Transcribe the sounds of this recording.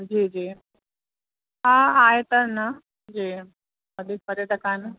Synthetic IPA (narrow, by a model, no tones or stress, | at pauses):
d͡ʑid͡ʑiː | ɦãajet̪əɾna | d͡ʑiː | əd̪ʱiːk̚pəɾjəʈəkan